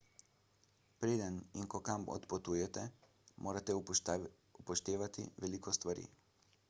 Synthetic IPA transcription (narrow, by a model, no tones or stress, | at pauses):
pɾeːd̪əninkɔkamɔ̰t̪pɔt̪uːjɛt̪ɛ | mʔoːɾat̪ɛ | upɔʃt̪eːʋat̪ḭʋɛliːkɔst̪ʋaɾḭː